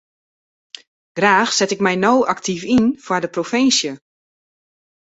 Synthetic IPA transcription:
ɡ̥raːxsɛtɪkmɛjnowʔaktʰifinfwaɹdəprofɪnsjə

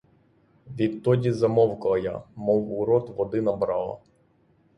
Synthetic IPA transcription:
ʋʲit̪t̪ːɔdʲizɐmɔwkɐɐja̰mɔwʊɾɔt̪ʋɔd̪ɪnɐbɾɑlˠɐ̰

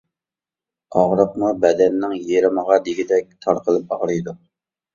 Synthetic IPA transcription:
ɑʁɾəqmubɛd̪ɛnːɪŋjeɾɪməʁɑd̪iɡʲid̪ɛk̚ʲt̪ʰɑɾqəlˠɨp̚ɑʁɾɨjd̪u

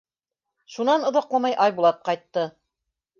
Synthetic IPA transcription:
ʃunɑnŏðɑqlˠɑmɑjʔɑjbulˠɑp̪̚qɑjt̪ːɤ

